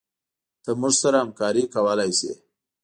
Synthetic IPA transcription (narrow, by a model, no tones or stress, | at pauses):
t̪əmuʐsaɾahamkɑɾikawəlajsḛ